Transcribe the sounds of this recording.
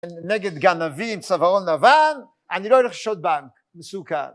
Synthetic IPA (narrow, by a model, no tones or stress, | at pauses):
nnɛɡət̪ɡanaviːnt͡savaʁɔnavan | aniɾoɪɾəχʃot̪̚baŋk | nəsuːka̰